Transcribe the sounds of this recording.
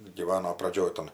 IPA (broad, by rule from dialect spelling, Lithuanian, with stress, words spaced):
ɡʲiːˈʋɑːnoː prɐˈd͡ʒʲoːj tɐn